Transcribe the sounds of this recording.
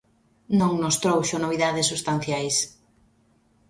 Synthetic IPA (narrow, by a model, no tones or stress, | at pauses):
nõŋnʊst̪ɾowʃʊnoβiðaðɪsːust̪an̟θjajs